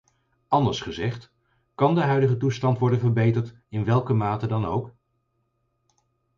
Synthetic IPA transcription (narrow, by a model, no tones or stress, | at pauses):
ɑndəɹsχəzɛχt | kɑndəɦœɥdəχətustɑntʋɔɹdənvəɹbejtəɹt | ɪnʋɛlˠkəmaːtədɑnowk